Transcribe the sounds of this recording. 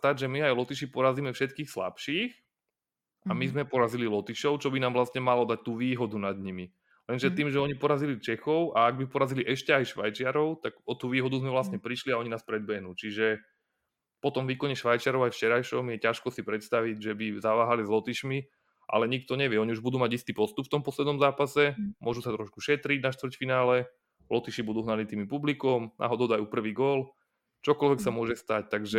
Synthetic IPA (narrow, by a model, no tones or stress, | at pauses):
st̪aɟʒɛmiajlɔt̪iʃipɔɾaziːmɛfʃɛt̪kiːxsla̰pʃiːx | amizmɛpɔɾazililɔt̪iʃɔʊt͡ʃɔbinaːmvlast̪ɲɛmalɔd̪ac̚t̪uːʋiːɦɔd̪unad̪ɲimi | lɛnʒɛt̪iːmʒɛɔɲipɔɾazilit͡ʃɛxɔʊʔaaɡ̚bipɔɾaziliʔɛʃcɛajʃʋa̰jt͡ʃɪaɾɔʊt̪aɡɔt̪uːʋiːɦɔd̪uzmɛʋlast̪ɲɛpɾiʃliaɔɲinaːspɾɛd̪̚bɛɦnuːt͡ʃiʒɛ | pɔt̪ɔmʋiːkɔɲɛʃʋajt͡ʃɪaɾɔʊajft͡ʃɛɾajʃɔmjɛcaʃkɔsipɾɛt̪st̪aʋiɟʒɛbizaʋaːɦalizlɔt̪iʃmi | ʔa̰lɛɲik̚t̪ɔɲɛʋɪɛɔɲiuʒbud̪uːmaɟist̪iːpɔst̪upft̪ɔmpɔslɛd̪nɔmzaːpasɛmʊɔʒusat̪ɾɔʃkuʃɛt̪ɾiɟnaʃt̪ʋr̩cfinaːlɛ | lɔt̪iʃibud̪uːɦnalit̪iːmipublikɔmnʔa̰ɦɔd̪ɔʊd̪ajupr̩ʋiːɡɔl | t͡ʃɔkɔlʋɛksamʊɔʒɛst̪ac̚t̪aɡʒɛ